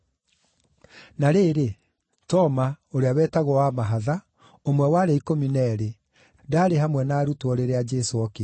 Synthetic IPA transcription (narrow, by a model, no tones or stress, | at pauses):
naɾeːɾe | tɔmaoɾeawɛtaɣwɔwamaɦaða | omwɛwaɾeikominɛɾe | daːɾeɦamwɛnaːɾutoɔɾeɾead͡ʒɛsoɔke